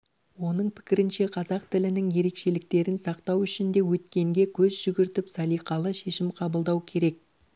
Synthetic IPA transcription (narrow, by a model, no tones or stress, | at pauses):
wo̞nəɴpʰɪ̥kʲɪɾɪnʃe̞qʰɑzɑqt̪ɪlɪnɪŋje̞ɾe̞kʃe̞lɪk̚t̪e̞ɾɪnsɑqt̪ɑwʏʃɪnd̪e̞wɵt̪kʲe̞ŋɡʲe̞kʲʰɵzʒʏɡʲɪɾt̪ɪpsɑlˠijqɑlˠəʃe̞ʃɪmqʰɑbəlˠd̪ɑwkʲʰe̞ɾe̞k̚